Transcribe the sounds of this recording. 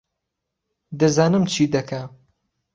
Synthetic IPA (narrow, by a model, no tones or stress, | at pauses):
d̪ɐzaːnɨmt͡ʃʰid̪ɐkʰa